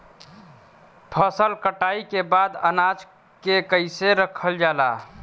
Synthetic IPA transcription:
pʰəsəlkəʈaikebad̪ə̰nad͡ʒ | kekəɪseɾəkʰəld͡ʒala

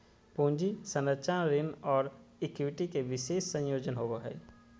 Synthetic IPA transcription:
põːɲd͡ʒisənət͡ʃanɾɪnɔːɾɪkʋɪʈikeʋɪʃeːʃːə̃jjoːd͡ʒənɦoɡoɦɛ̰ː

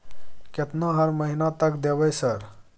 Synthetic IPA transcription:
ket̪naɦəɾməɦinat̪əkd̪eʋəjsəɾ

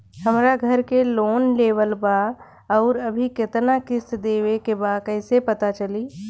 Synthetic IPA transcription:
həmɾaɡʱəɾkeloːnleːʋəlba | ɔːɾɐbʱikɪt̪nakɪsd̪eːʋekebakɛɪsepət̪at͡ʃəliː

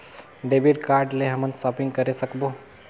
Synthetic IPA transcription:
ɖebiʈkaːɾɖleɦəmənsɔpɪ̃ŋɡkəɾesəkbo

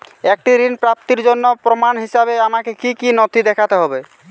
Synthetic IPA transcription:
ek̚ʈiɾinpɾap̚t̪iɾd͡ʒonːɔpɾɔmanɦisabeamakekikinɔt̪id̪ɛkʰat̪eɦɔbe

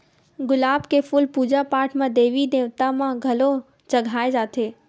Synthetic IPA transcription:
ɡʊlaːbkefʰʊlpuːd͡ʒapaːɾʈʰmãd̪eːʋid̪ẽːʋt̪amãɡʱɐlo | t͡ʃɐɡʱaːed͡ʒaːt̪ʰeː

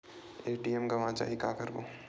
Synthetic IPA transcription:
eːʈiɛmɡɐʋãt͡ʃa̰ːɦikaːkɐɾboː

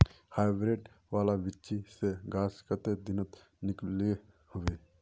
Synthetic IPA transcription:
haːjbɾeːɖ | ʋaːlaʋɪtːt͡ʃiseɡaːskət̪ed̪ɪnət̪ | nɪkle | hʊʋeː

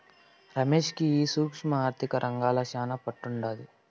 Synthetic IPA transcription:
ɾɐme̞ːʂkiiːsuːkʂmɐaːɾt̪ʰikɐɾʔɐŋɡaːlɐʃaːnɐpɐʈːuɳɖaːd̪i

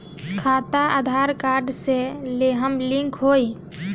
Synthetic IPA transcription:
kʰaːt̪aad̪ʱaːɾkaːɾɖseleɦəmlɪ̃ŋkʰɦoːi

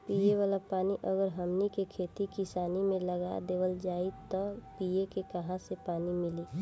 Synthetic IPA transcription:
piːeʋaːlapaːniʔəɡəɾɦɐmnikekʰeːt̪ikɪsaːnimẽləɡa̰d̪eːʋəld͡ʒaːit̪ɔpiekekɐɦãsepaːnimɪliː

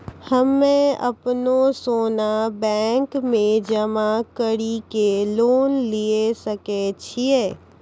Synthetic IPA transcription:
həmːẽɐ̰pnosoːnabɛ̃ːŋkmẽd͡ʒɐmakəɽikeloːnliesəket͡ʃʰieː

